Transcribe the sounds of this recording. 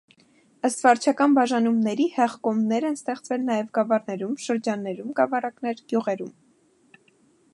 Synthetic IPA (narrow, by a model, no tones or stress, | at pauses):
əst̪vɑɾt͡ʃʰɑkɑnbɑʒɑnumnɛɾihɛʁkɔmnɛɾɛnst̪ɛχt͡svɛlnɑjɛvɡɑvɑrnɛɾumʃəɾd͡ʒɑnːɛɾumɡɑvɑɾɑkn̪ɛɾɡ̥juʁɛɾum